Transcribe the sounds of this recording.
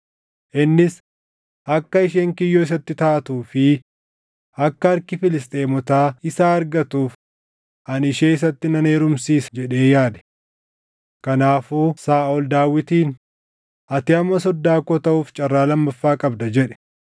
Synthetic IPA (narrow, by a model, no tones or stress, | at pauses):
ʔɪnːɪs | ɐkːɐɪʃeːŋkɪjːoːɪs̬ɐt̪ːɪt̪aːt̪uːfɪ | ɐkːɐɐɾkɪfɪlɪst̪ʼe̞ːmɔt̪aːɪsaːɐɾɡɐt̪uːf | ʔɐnɪʃe̞ːɪs̬ɐt̪ːɪnɐne̞ːɾʊmsiːsd͡ʒɛᶑeːjaːd̪ɛ̥ | kɐnaːfuːsaːɔld̪aːwɪt̪iːn | ɐt̪ɪɐmːɐs̬ɔd̪ːaːkɔt̪ɐʔuːft͡ʃʼɐrːaːlɐmːɐfːaːkʼɐbd̪ɐd͡ʒɛᶑɛ̥